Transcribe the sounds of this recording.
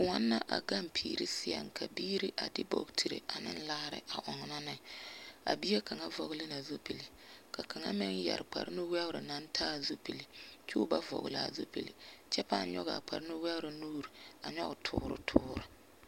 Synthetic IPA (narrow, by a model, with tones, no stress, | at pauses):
kʊ˨ŋa˦nːa˦ʔa̰˨ɡa˦mpʰḭː˨ɾi˦sɪ˦ja̰˨ŋkʰa˨biː˦ɾi˦ʔa˨dɪ˦bo˦˨ɡtʰi˨ɾɨ̰˨ʔa˨nɪ̰˦n˦laː˦ɾɪ̰˦ʔa˨ʔɔ˨ŋ˨na˦nɪ˨a̰˨bi˦a˦ka˨ŋa˦vɔ˨ɣlɪ˦na˨zo˦pi˨li˨ | ka˨ka˨ŋa̰˦mɪ˦ŋja̰˨ɾk͡pa̰˨ɾɪ˦nʊ˦wɛ˦ʊ˦ɾɪ˨na˦n˦tʰaː˦˨zo˦pi˨li˨t͡ʃu˦ba˦vɔ̰˨ɣla˨zo˦pi˨lḭ˨t͡ʃɛ˦paː˦˨˦ɲɔ̰˦ɣa̰˨k͡pa̰˨ɾɪ˦nʊ˦wɛ˦ʊ˦ɾɪ˨nuː˦ɾi˨a˨ɲɔ˦ɣtʰʊː˦ɾʊ̰˦tʰʊː˦ɾʊ˨